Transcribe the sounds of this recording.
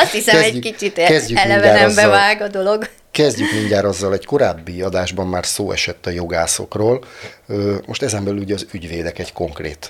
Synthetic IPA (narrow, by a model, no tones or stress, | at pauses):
ɒst̪hisɛkɛɛcɟykit͡ʃit̪ɛzɟykmilɛvɲaːɾɛɔmzbɛvaːɡɒd̪o̞lo̞ɡ | kɛzɟykmiɲɟaːɾɒzːɒlɛɟko̞ɾaːbːiɒd̪aːʒbɒmːaːrsoːɛ̰ʃɛt̪ːɒjoɡaːso̞̰kroːløːmo̞ʃt̪ɛzɛmbɛlyluɟɛɒzyɟʋeːd̪ɛkɛɟko̞ŋkrḛːt̪